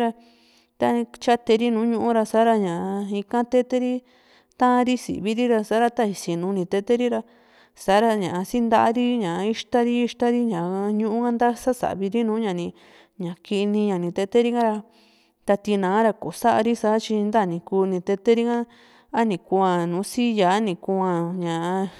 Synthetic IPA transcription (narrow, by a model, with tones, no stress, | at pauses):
ɾa˧ | t̪a˧t͡ʃa˦t̪e˧ɾi˦nũː˨˦ɲũ˧ʔũ˦ɾa˧sa˨˦ɾa˧ɲã˨˧i˧kã˦t̪e˦t̪e˦ɾi˦ | t̪ã˦˧ɾi˦sḭ˨βi˧ɾi˦ɾa˧sa˧˦ɾa˧t̪a˦˧i˧si˨nũ˨˧nĩ˧t̪e˧t̪e˦ɾi˦ɾa˧ | sa˨˦ɾa˧ɲã˨a˧si˦nd̪a˧ʔa˧˦ɾi˦ɲã˨˧i˦ʂt̪a˦ɾi˦i˧ʃt̪a˦ɾi˦ɲã˨˧ɲũ˧˦ũ˦kã˦nd̪a˦sa˦sa̰˨βi˧ɾi˦nũː˨˦ɲã˨nĩ˧ | ɲã˨ki˧nĩ˧ɲã˨nĩ˧t̪e˧t̪e˦ɾi˦ŋã˦ɾa˧ | t̪a˧t̪i˧nã˨˦ɾa˧ko˨sa˦ʔa˧ɾi˦sa˧˦t͡ʃi˧nd̪a˦˨nĩ˧kuː˧nĩ˧t̪e˧t̪e˦ɾi˦ŋã˦ | a˦nĩ˨ku˧ã˧nũː˨˦si˦ja˨˦nĩ˧˨kũ˧ã˧ɲã˨ʔa˧